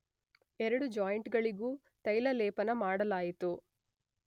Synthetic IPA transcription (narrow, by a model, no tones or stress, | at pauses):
ɛɾɐɽud͡ʒaːjɳʈɡɐɭiɡuː | t̪ɐjlɐlɛːpɐnɐmaːɽɐlaːjit̪u